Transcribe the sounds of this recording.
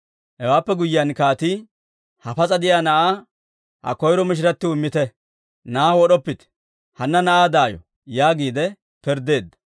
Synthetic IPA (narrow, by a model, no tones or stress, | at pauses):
hɛwaːpːɛɡʊjːɪjɐnkaːt̪ɪ | hɐfɐt͡sʼɐd̪ɪjaːnɐʔaː | hɐ̰kɔjɾɔmɪʃ̬ɪɾɐt̪ːɪwʊmːɪt̪ɛ | nawɔɗɔpːɪt̪ɛ̥ | hɐnːɐnɐʔaːd̪aːjɔ̰ | jaːɡiːd̪ɛ | pɪɾd̪e̞ːd̪ːɐ̥